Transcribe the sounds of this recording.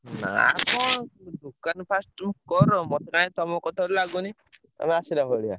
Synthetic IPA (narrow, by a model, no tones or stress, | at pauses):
na̰a̰pɔd̪ukanpʰasʈmkɔɾɔmɔt̪ʰekaɽ̃ĩt̪ɔmɔ̃kɔt̪ʰaɾlaɡuni | a̰miasiɾaɦɔɽia̰